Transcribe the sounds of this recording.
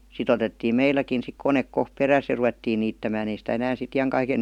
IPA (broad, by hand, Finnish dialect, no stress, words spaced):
sit otetːiː meilːækin sik konek kohp peræs jɑ ruʋetːiː niːtːæmæːn ei sitæ enæːn sit ijɑŋkɑiken